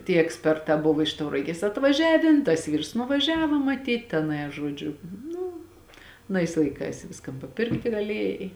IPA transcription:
tʲiɛ ɛksʲˈpʲɛrtɑː ˈbʊʋoː ɪʃ tɐʊrɐˈɡʲeːs ɐtʋɐˈʒʲæːʋʲeːn tɐs ˈʋʲiːrs nʊʋɐˈʒʲæːʋɐ mɐˈtʲiːt tʲɛˈnɐɪ ɐ ˈʒuɔd͡ʒʲʊ ˈnʊ ɐˈnɐɪs lˠɐɪˈkɐɪs ˈʋʲɪskɐn pɐˈpʲɪrktʲɪ ɡɐˈlʲiɛjɛɪ

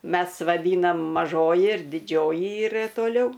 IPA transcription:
ˈmʲɛs ʋɐˈdʲiːnɐm mɐˈʒoːjɪ ɪr dʲɪˈd͡ʒʲoːjɪ ˈiːrɐ toːˈlʲɛʊ

